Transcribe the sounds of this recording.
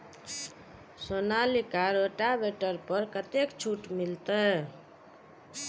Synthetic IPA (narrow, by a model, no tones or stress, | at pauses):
sonalikaɾoʈabeʈəɾpəɾkət̪ekt͡ʃʰuʈmilt̪ə